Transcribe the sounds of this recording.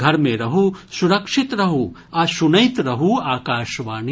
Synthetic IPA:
ɡʱɐɾmẽɾɐɦusuɾɐkʂɪt̪ɾɐɦu | ɐsunɐjt̪ɾɐɦuaːkaːʃʋaːni

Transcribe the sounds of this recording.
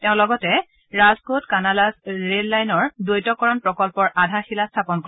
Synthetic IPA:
teʊ̃lɔɡɔtɛ | ɹazkotkanalasɹelːajnɔɹdojtɔkɔɹɔnpɹɔkɔlpɔɹʔadʱaxilastʰapɔnkɔ

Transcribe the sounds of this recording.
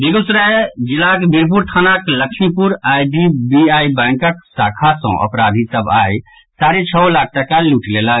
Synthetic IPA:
b̪eɡosɾad͡ʒilakebiɾp̬uɾt̪ʰanakləkʰmipuɾajɖibiajbɛ̃ŋkək̚sakʰasə̰̃ʔə̰pɾad̪ʱisəba̰j | saɾet͡ʃʰəlak̚ʰʈəkaluʈlelə

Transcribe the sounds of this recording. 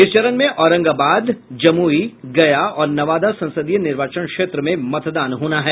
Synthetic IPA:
ɪst͡ʃɐɾənmẽʔɔːɾə̃ŋɡaːbaːd̪d͡ʒɐmuːiɡɐjaɔːɾnɐʋaːd̪asɐ̃nsəd̪ijnɪɾʋaːt͡ʃənkʃeːt̪ɾəmẽmɐt̪d̪aːnɦoːnaɦɛː

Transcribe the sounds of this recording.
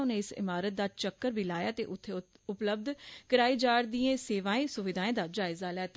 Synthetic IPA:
ɦʊnẽːɪsɪ̰maːɾət̪̚d̪aːt͡ʃəkːəɾbʱiːlaːjaːt̪ḛːʔʊt̪ʰːe | ʊpləb̚d̪kəɾaːiːd͡ʒaːɾd̪iẽːseːʋãːẽːsʊʋɪd̪ʱaːẽːd̪aːd͡ʒaːɪzaːlɛːt̪a

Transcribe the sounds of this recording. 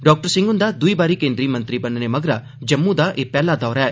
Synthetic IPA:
ɖɔːk̚ʈəɾsɪ̃ŋɡʊnd̪ad̪ʊibaːɾikẽːnd̪ɾiːmɐ̃nt̪ɾibɐnnemɐɡɾa | d͡ʒɐmːũd̪aʔeːpɛːlad̪ɔːɾɛː

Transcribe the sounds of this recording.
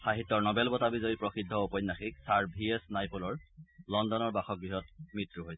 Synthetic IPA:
xaɦitːɔɹnɔbɛlbɔtabizɔjipɹɔxidʱːɔupɔjnːaxik̚saɹbʱiesnajpolɔɹlɔndɔnɔɹbaxɔk̚bɹiɦɔtmɹitɹuɦojsɛ

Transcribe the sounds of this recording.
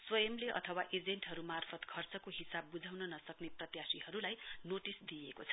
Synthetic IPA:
swʌjʌmleʔʌ̰t̪ʰʌwaʔed͡zeɳʈɦʌɾumarpʰʌt̪kʰʌrt͡sʌkoɦisabːud͡zʱawnʌnʌsʌkneprʌt̪jasiɦʌɾulajnoʈisd̪ijekot͡sʰʌ̥

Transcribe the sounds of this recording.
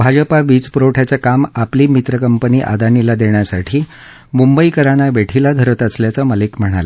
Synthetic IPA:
bʱad͡ʑəpaʋiːt͡spɾoʈʰat͡sakamapliːmit̪ɾəkəmpəniːʔa̰d̪anilad̪eɳjasaʈʰiː | mumbəikəɾaɽ̃aʋeʈʰilad̪ʱəɾət̪əsljat͡saməlikm̤əɽ̃a̰la

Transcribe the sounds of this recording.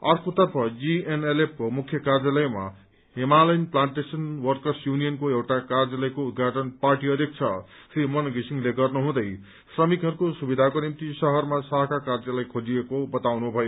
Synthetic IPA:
ʌrkot̪ʌrpʰʌd͡zienelep̚ʰkomukʰjʌkard͡zjalʌjma̰ | emalʌjnplaɳʈesʌnwʌrkʌrsjunijʌnkoewʈakard͡zʌlʌjkout̪̚ɡʱaʈʌnparʈiʌd̪ʱjek̚t͡sʰʌ | srimʌnɡisiŋleɡʌrnuɦũd̪ʌj | srʌmikɦʌɾukosubid̪ʱakonimt̪isʌɦʌrmasʌɦʌkakard͡zalʌjkʰod͡ziekobʌt̪awnubʱʌjo

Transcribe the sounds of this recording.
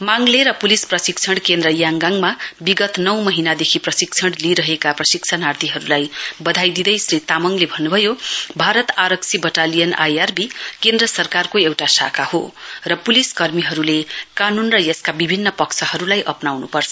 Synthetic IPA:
maŋleɾʌpulisprʌsik̚t͡sʰʌɽkend̪rʌjaŋɡaŋmabiɡʌt̪nʌwmʌɦinad̪ekʰiprʌsik̚t͡sʰʌɽliɾʌɦekaprʌsik̚t͡sʰanart̪iɦʌɾulajbʌd̪ʱajd̪id̪ʌjsrit̪amʌŋlebʱʌnːubʱʌjobʱaɾʌt̪aɾʌksʰibʌʈalijʌna̰jarbikend̪rʌsʌrkarkoewʈasa̰kʰahorʌpuliskʌrmiɦʌɾulekanunrʌjʌskabibʱinːʌpʌkt͡sʰʌɦʌɾulajʔʌpnawnupʌrt͡sʰʌ

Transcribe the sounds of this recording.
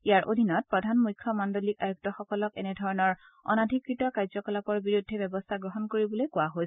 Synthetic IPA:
ijaɹʔo̰dʱinɔt̚pɹɔdʱanmujkʰːɔmandolikajuɡ̚tɔxɔkɔlɔkɛnɛdʱɔɹɔnɔɹ | ɔ̰nadʱikɹitɔkaɹzɔkɔlapɔɹbiɹudʱːɛbɛbɔstʰaɡɹɔɦɔnkoɹibɔlojkʊwaɦojs

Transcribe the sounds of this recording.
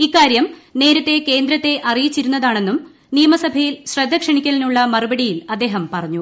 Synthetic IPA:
ikːaːɾjɐmne̞ːɾɐt̪ːe̞ke̞ːnd̪ɾɐt̪ːe̞ʔɐrijit͡ɕːiɾunːɐðaːɳe̞nːum | nijɐmɐsɐbʱɐjilɕred̪ʱːɐkʂɐɳikʲːɐlinuɭːɐmɐrubɐɽijilɐd̪ːe̞ːɦɐmpɐrɐɲːu

